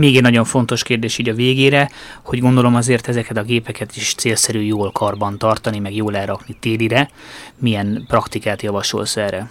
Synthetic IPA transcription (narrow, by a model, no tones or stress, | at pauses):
meːɡɛɟnɒɟo̞ɱfo̞nt̪o̞ʃkeːrd̪eːʃiːɟɒveːɡeːɾɛho̞ɟɡo̞nd̪o̞lo̞mɒzeːrt̪ɛzɛkɛt̪ɒɡeːpɛkɛt̪iʃt̪seːlsɛɾyːjoːlkɒrbɒnt̪ɒrt̪ɒnimɛɡjoːlɛːɾɒknit̪eːliɾɛmijɛnprɒkt̪ikaːt̪jɒvɒʃo̞̰lsɛɾɛ